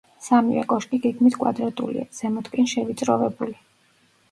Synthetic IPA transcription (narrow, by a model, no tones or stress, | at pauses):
samivɛ̰kʼɔʃkʼiɡɛɡmit̪ʰkʼwa̰d̪ɾat̪ʼṵlḭa̰z̥ɛmɔt̪ʰkʼinʃɛvit̪sʼɾɔvɛbuli